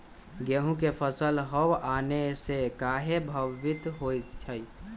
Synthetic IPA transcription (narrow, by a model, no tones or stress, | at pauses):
ɡeɦũkepʰəsəlɦəʋanesekaɦebʱəʋːit̪ɦojtt͡ʃʰəj